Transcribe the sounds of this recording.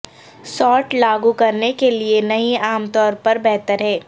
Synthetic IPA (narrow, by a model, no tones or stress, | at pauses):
sɔːʈlaːɡukɐɾnekelienɐɦĩaːmt̪ɔːɾpɐɾbɛɦt̪əɾɦɛː